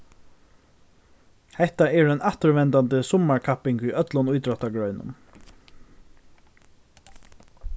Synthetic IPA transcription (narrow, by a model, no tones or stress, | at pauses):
hɛht̪aɛɹɛnaht̪əɹvɛnt̪ant̪əsʊmːaɹkʰapɪŋkijœt̪lʊnujt̪ɾɔt̪aɡɹœʏnʊ̰n